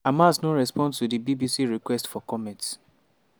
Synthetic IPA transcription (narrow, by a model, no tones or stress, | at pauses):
amasnoɹɛspɔ̃nstudibibisiɹikwɛstfɔkɔmɛ̃nts